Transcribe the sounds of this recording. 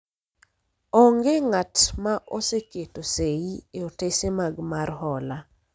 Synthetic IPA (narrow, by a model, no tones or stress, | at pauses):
ɔŋɡeŋatmaʔoseketoseieotesemaɡmarɦɔla